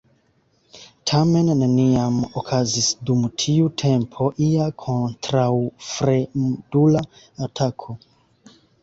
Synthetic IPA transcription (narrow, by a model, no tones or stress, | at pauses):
tʰame̞nːeniamokʰazisdumtʰiutʰe̞mpʰo̞ʔiakʰo̞ntɾawfɾedulaː | tʰakʰo